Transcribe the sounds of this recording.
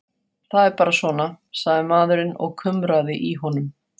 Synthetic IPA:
θaðɛɾpaːɾasvɔːna | saɣðɪmaːðʏɾɪnɔ̰ɣkʰʏmɾaðɪʔiɦɔnʏm

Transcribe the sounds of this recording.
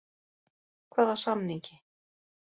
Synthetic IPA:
kʰvaːðasamniɲcɪ

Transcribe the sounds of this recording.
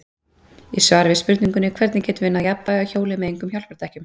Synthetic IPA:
isvaːɾɪvɪspʏɾt̪niŋkʏnɪkʰvɛɾt̪nɪcɛːt̪ʏvɪnːaðjapːaɔçoːwlɪmɛðejŋkʏmçawl̥pɛɾ̥t̪ʰajhcʏm

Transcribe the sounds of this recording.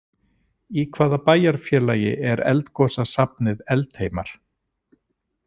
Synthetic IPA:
ikʰvaːðapaːjaɾ̥fjɛːlaːjɪ̰ʔɛɾɛ̰lt̪kɔːsasap̚nɪðɛlt̪heːjmaɾ̥

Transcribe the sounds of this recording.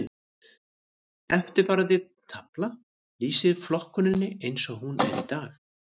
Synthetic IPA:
ɛft̪ɪɾvaɾaðɪðt̪ʰapla | liːsɪɾflɔhkʏnɪnːɪejnsɔɣhunɛ̰ɾḭt̪aːx

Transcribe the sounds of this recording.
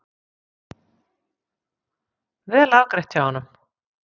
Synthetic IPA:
vɪðlawkɾɛht̪jawhanːʏm

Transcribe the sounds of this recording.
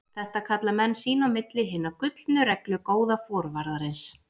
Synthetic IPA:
θɛht̪akʰat̪lamɛnːsiːnawmɪt̪lɪɦɪnːakʏt̪lnʏɾɛklʏkoːwðafɔːɾvaɾðaɾɪns

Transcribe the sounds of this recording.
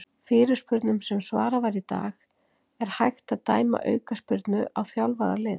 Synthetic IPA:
fɪːɾɪɾ̥spʏɾt̪nʏmsɛmsvaːɾavajɾit̪a̰ːɣ | ɛɾ̥hajxt̪aðt̪aːjma̰ʔœ̰ːɥkaspʏɾt̪nʏʔawθjawlvaɾa̰lɪːð

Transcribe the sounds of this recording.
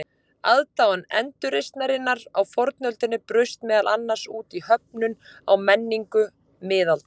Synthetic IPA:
a̰ðt̪awanɛ̰nt̪ʏɾejst̪naɾɪnːaɾawfɔɾt̪nœlt̪ɪnːɪpɾʏst̪mɛːðalʔanːḁsuːt̪ihœp̚nʏna̰wmɛnːiŋkʏ | mɪːðalt̪

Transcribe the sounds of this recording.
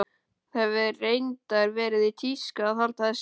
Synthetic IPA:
θɛvɪrejnt̪aɾvɛːɾɪðɪt̪ʰiskaːθalt̪aðɪs

